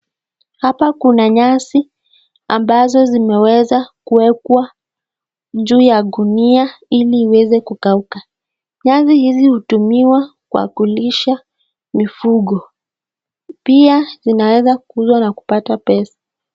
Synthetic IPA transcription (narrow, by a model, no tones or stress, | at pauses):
hapakunaɲasi | a̰mbazɔzimɛwɛzakuwɛkwa | ʄuːjaɗuniailiːwɛzɛkukauka | ɲasihizihutumiwakua̰kuliʃa | mifuɠɔ | piazinawɛzakuzwanaku̥patapɛsḁ